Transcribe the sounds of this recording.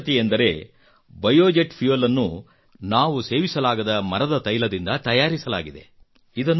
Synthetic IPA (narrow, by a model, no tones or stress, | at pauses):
t̪iend̪ɐɾe̞ | bɐjoːd͡ʒeʈpʰjuʋɐlɐnːu | naːʋuse̞ːʋisɐlaːɡɐd̪ɐmɐɾɐd̪ɐt̪ɐjlɐd̪ind̪ɐt̪ɐjaːɾisɐlaːɡid̪e̞̰ | id̪ɐnː